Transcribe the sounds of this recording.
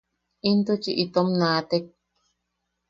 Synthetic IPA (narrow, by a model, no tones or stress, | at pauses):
int̪ut͡ʃiʔit̪omnãːt̪ek̚